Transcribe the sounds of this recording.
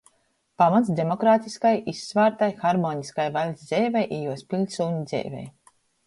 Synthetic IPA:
pamat̪sd̪ʲemɔkɾaːt̪iskajisːvaːɾt̪ajxaɾmoːniskajvalʲzd̪zʲɛjvajʔɛjuɔspilʲsuːɲid̪zɛ̰jvʲɛ̰j

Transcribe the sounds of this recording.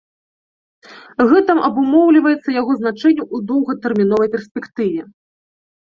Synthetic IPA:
ɣɛt̪ɐmʔɐbumɔwlʲivɐjɛt̪sːɐjaɣɔznat͡ʂɛnʲːɐʔud̪ɔwɣɐt̪ɛrmʲin̪ɔvɐjpʲɛrsʲpʲɛkt̪ɨvʲɛ

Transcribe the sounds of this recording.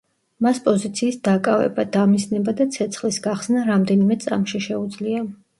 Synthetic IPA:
maspʼɔzit̪sʰiːsd̪akʼavɛ̰bad̪amisnɛbad̪at̪sʰɛt̪sʰχlisɡaχsnaɾamd̪ɛnimɛt̪sʼa̰mʃiʃɛud̪zlia

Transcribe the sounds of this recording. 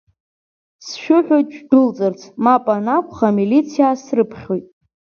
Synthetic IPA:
sʃᶣʊħʷᶣojt̚ʼt͡ʃʷᶣʼdɨlt͡sʼɨrt͡sʰmapʼanakʷʰʼχamilit͡sʰijasrɨpʰχʲo̞jtʼ

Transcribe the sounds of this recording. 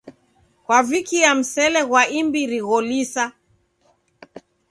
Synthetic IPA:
kwavikiam̩sɛlɛɣwaimbiɾiɣɔlisa

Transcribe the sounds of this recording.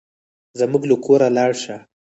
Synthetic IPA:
zəmuɡlukʰoɾalɑɽʃa

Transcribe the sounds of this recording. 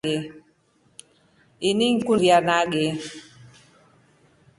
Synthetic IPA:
ɛ | iniŋ̩kuɾianaɡɛ

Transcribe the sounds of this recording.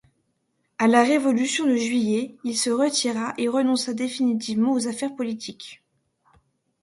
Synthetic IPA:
alaʁevɔlysjɔ̃d̪əʒɥijɛilsəʁət̪ʰiʁaʔeʁənɔ̃sad̪efinit̪̬ivmɑ̃ozafɛʁpɔlit̪ʰik

